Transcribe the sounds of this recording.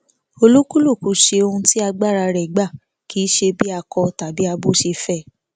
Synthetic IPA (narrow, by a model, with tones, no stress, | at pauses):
o˧lu˦ku˦lu˦˨ku˨ʃe˧o˧hũ˧ti˦a˧ɡ͡ba˦˨ɾa˧ɾɛ˨ɡ͡ba˦˨ | kiː˨˦ʃe˧bi˦a˧kɔ˧ta˨bi˦a˧bo˦ʃe˧fɛ˦˨